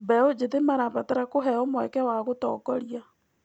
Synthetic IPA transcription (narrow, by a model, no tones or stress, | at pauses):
bɛod͡ʒeðemaɾaβataɾakoɦɛɔmwɛkɛwaɣotɔ̰ːkɔɾia